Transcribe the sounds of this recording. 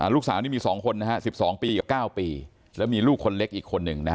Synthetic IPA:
ʔa̰˨˩luː˥˩k̚saː˩˦wniː˥˩miː˧sɔː˩˦ŋkʰo˧nːa˦˥ha˦˥si˨˩p̚sɔː˩˦ŋpiː˧ka˨˩kaː˥˩wpiː˧ | lɛː˦˥wmiː˧luː˥˩kʰːo˧nle˦˥k̚ʔiː˨˩kʰo˧nːɯ˨˩ŋna˦

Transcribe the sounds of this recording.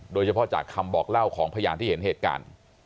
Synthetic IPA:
doː˧jt͡ɕʰa˧pʰɔ˦˥˩t͡ɕa̰ː˨˩kʰːa˧mbɔː˨˩k̚la˥˩wkʰɔː˩˦ŋpʰa˧jaː˧nt̪ʰiː˥˩˨e˩˦nheː˨˩t̪̚ka̰ː˧n

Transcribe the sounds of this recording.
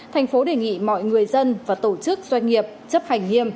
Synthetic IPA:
t̪ʰɛ˨˩jŋ̟fo˨˦ɗe˨˩ŋḭ˧˨mɔ̰˧˨jŋɨ˨˩əjzə˧nvaː˨˩t̪o˧˩t͡ɕɨ˦˥k̚z̥wa˧jŋ̟ːi˨˩əp̚t͡ɕə˦˥p̚ha˨˩jŋ̟ŋi˧əm

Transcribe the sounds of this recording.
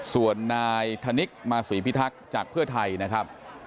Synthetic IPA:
su˨˩ənːaː˧jt̪ʰa˧ni˦˥k̚maː˧siː˨˩˦pʰi˦˥t̪ʰa˦˥k̚t͡ɕaː˨˩k̚pʰɯ˥˩ət̪ʰa˧jna˦˥kʰɾa˦˥p̚

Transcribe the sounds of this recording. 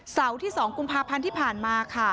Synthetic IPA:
sa˩˦wt̪ʰiː˥˩sɔː˩˦ŋku˧mpʰaː˧pʰa˧nt̪ʰiː˥˩pʰaː˨˩nmaː˧kʰa˥˩

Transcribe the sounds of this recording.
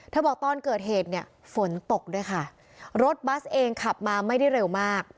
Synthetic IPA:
t̪ʰaː˥˩bɔː˨˩k̚t̪ɔː˧˥˩nkɤː˨˩t̪̚ɦeː˨˩t̪̚ni˥˩ɐ | fo˩˦nt̪o˨˩k̚du˥˩əjkʰa˥˩ | ɾo˦˥t̪̚ba˦˥sʔeː˧ŋkʰa˨˩p̚maː˧ma˥˩jda˥˩jɾe˧wmaː˥˩k̚

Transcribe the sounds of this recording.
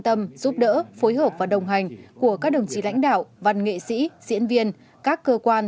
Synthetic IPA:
nt̪ə˧mzu˦˥p̚ɗə̰ː˧˥fo˨˦jɦəː˨˩p̚vaː˨˩ɗə˨˩wŋ͡mɦa˨˩jŋ̟ku˧˩əkaː˦˥k̚ɗə˨˩wŋ͡mt͡ɕḭ˧˩la̰˧˥jŋ̟ɗa̰ː˧˨wva˨˩nŋḛ˧˨sḭ˧˥zḭ˧˥ənvi˧ən | kaː˦˥kːəː˧kwaː˧n

